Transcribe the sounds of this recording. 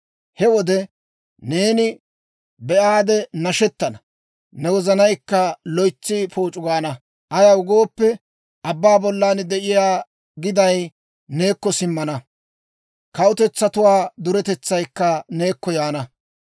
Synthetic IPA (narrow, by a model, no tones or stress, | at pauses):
hɛwɔd̪ɛ | ne̞ːnɪ | bɛʔaːd̪ɛnɐʃɛt̪ːɐnɐ | nɛwɔzɐnɐjkːɐlɔjt͡sːɪpoːt͡ʃʼʊɡaːnɐ | ʔɐjɐʊɡo̞ːpːɛ | ʔɐbːaːbɔlːaːnd̪ɛʔɪjaː | ɡɪd̪ɐj | neːkːɔsɪmːɐnɐ | kɐʊt̪ɛt͡sːɐt̪ʊwaːd̪ʊɾɛt̪ɛt͡sːɐjkːɐne̞ːkːɔjaːnɐ